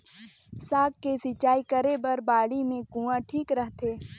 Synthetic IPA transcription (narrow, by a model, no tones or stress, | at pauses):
saːɡːesɪt͡ʃːaːikəɾebɐɾbaːɽimẽkũːãʈʰiːkɾəɦt̪eː